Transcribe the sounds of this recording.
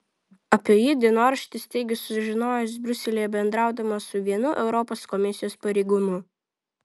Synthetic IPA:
ɐpʲijiːd̪ʲinoːɐɾʃʲt̪ʲɪsʲt̪ʲɛɪɡʲʊsʲʊsʒʲɪnoːjʊs̬bʲɾʲʊsʲɛlʲiːjɛbʲɛnd̪ɾɑˑʊd̪ɐmɐsʊʋʲiɛnʊʔɛʊɾɔpoːskɔmʲɪsʲɪjoːspɐɾʲɛɪɡuːnu

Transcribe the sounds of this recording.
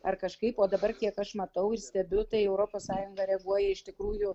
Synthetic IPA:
ɐrkɐʃkɐɪpoːd̪ɐbɐrkʲiɛkɐʃmɐt̪ɐʊɪrsʲt̪ʲɛbʲʊt̪ɐɪɛʊɾoːpoːssɑːjʊŋɡɐɾʲɛɡuɔjɛɪʃt̪ʲɪkɾuːjʊ

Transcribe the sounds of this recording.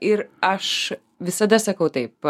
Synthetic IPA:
ɪɾɐʃ | ʋʲɪsɐd̪ɐsɐkɐʊt̪ɐɪp̚

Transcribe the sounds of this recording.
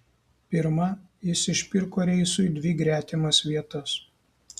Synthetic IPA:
pʲɪɾmɐ | jɪsʲɪʃʲpʲɪɾkoːɾʲɛɪsʊɪd̪ʲʋʲɪɡɾʲæːt̪ʲɪmɐsʋʲiɛt̪ɐs

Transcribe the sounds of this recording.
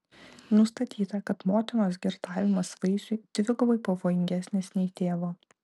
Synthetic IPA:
nʊst̪ɐt̪ʲiːt̪ɐkɐt̪moːt̪ʲɪnoːs̬ɡʲɪɾt̪ɑːʋʲɪmɐsʋɐɪʒʲʊɪt̪ʲʋʲɪɡʊʋɐɪpɐʋoːjɪŋʲɡʲæsʲnʲɪsʲnʲɛit̪ʲeːʋoː

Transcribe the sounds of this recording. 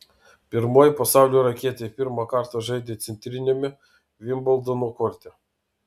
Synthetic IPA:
pʲɪɾmoːjpɐsɑˑʊlʲuːɾɐkʲiɛt̪ʲepʲɪɾmɑkɐɾt̪ɐʒɐɪd̪ʲeːt̪sʲɛnʲt̪ʲɾʲɪnʲomʲɪ | ʋʲɪmbɔlˠd̪onukɔɾʲt̪ʲɛ

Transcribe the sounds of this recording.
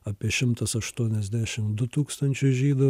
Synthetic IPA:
ɐːpʲiɛʃʲɪmt̪ɐsɐʃt̪uɔnʲɛzʲd̪ʲæːʃʲɪmd̪ʊt̪uːkst̪ɐnʲt͡ʃʲʊsʒʲiːd̪ʊ

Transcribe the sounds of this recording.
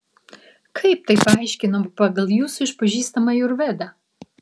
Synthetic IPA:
kʰɐɪp̚t̪ɐɪpɐɪʃʲkʲɪnompɐɡɐlˠjuːsʊɪʃpɐʒʲiːst̪ɐmɐjʊɾʋʲɛd̪ɐ

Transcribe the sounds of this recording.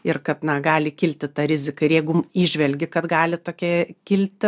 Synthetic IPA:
ɪrkɐt̪nɐɡɑːlʲɪkʲɪlʲt̪ʲɪt̪ɐɾʲɪzʲɪkɐɪɾjɛɪɡʊmiːʒʲʋʲɛlʲɡʲɪkɐt̪ɡɑːlʲɪt̪oːkʲɛkʲɪlʲt̪ʲɪ

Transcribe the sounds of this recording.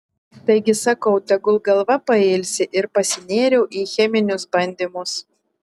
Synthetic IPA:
t̪ɐɪɡʲɪsɐkɐʊt̪ʲɛɡʊlˠɡɐlˠʋɐpɐeːlʲsʲɪʔɪɾpɐsʲɪnʲeːɾʲɛʊʔiːxʲɛmʲɪnʲʊsbɐnʲd̪ʲiːmʊs

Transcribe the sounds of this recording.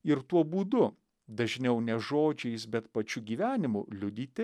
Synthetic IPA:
ɪɾt̪uɔbuːd̪ʊ | d̪ɐʒʲnʲɛʊnʲɛʒoːd͡ʒʲɛɪsbʲɛt̪pɐt͡ʃʲʊɡʲiːʋʲæːnʲɪmʊlʲʊd̪ʲiːt̪ʲɪ

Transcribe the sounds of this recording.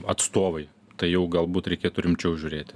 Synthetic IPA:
ɐt̪st̪oːʋɐɪ | t̪ɐɪjɛʊɡɐlˠbuːt̪ɾʲɛɪkʲeːt̪ʊɾʲɪmʲt͡ʃʲɛʊʒʲʊːɾʲeːt̪ʲ

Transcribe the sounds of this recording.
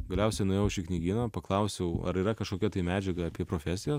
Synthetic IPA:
ɡɐlʲɛʊsʲɛɪnʊjɛʊʃʲɪknʲiːɡʲiːnɐpɐklˠɐʊsʲɛʊɐ̰ɾiːɾɐkɐʃkoːkʲɛt̪ɐɪmʲæːd͡ʒʲɛɡɐɐpʲiɛpɾoːfʲæsʲɪjoːs

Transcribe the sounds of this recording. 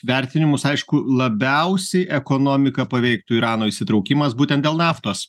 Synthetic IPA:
ʋʲɛɾʲt̪ʲɪnʲɪmʊsɐɪʃkʊlˠɐbʲɛʊsʲɛɪʔɛkoːnoːmʲɪkɐpɐʋʲɛɪk̚t̪uɪɾɑːnoːisʲɪt̪ɾɐʊkʲimɐsbuːt̪ʲɛnt̪d̪ʲeːlˠnɑːft̪oːs

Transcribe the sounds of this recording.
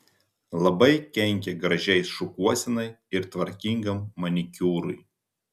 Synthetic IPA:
lˠɐbɐɪkʲɛŋʲkʲɛɡɾɐʒʲɛɪsʃʊkuɔsʲɪnɐɪɪɾt̪ʋɐɾʲkʲɪŋɡɐmːɐnʲɪkʲuːɾʊj

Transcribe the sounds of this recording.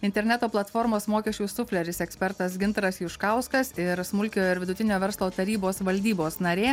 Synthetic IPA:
ɪnʲt̪ʲɛɾʲnʲɛt̪oːplˠɐt̪foːɾmoːsmoːkʲɛʃʲt͡ʃʲuːsʊfʲlʲɛɾʲɪsɛksʲpʲɛɾt̪ɐsɡʲɪnt̪ɾɐsjʊʃkɐˑʊskɐsɪɾsmʊlʲkʲoːɪɾʋʲɪd̪ʊt̪ʲɪnʲoːʋʲɛɾslˠoːt̪ɐɾʲiːboːsʋɐlʲd̪ʲiːboːsnɐɾʲeː

